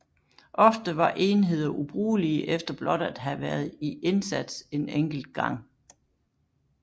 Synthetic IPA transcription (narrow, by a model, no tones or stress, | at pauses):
ʔɒ̽fd̥əʋɑ̈ʔe̝ːnɦe̝ð̞̰ˠɐʔub̥ʁuːliəʔefd̥ɐb̥lɒ̽ɾ̥æd̥ɦæʋæɐð̞̩ˠiʔe̝nsæd̥se̝neŋ̰ɡ̥l̩d̥̚ɡ̥ɑ̈ŋ̰